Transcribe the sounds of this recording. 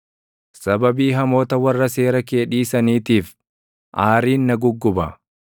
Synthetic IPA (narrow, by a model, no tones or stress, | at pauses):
sɐbɐbiːɦɐmo̞ːt̪ɐwɐrːɐse̞ːɾɐke̞ːᶑiːsɐniːt̪iːf | ʔaːɾiːnːɐɡʊɡːʊbɐ